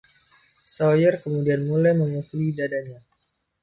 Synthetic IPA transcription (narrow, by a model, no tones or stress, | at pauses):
sojərkəmudianmulajməŋukulidadaɲa